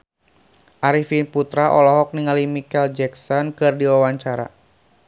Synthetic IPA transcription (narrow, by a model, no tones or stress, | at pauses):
ʔaɾifinput̪ɾaʔɔ̰lɔɦɔk̚niŋalimikɛld͡ʒɛksɔnkɨrdiwawaɲt͡ʃaɾa̰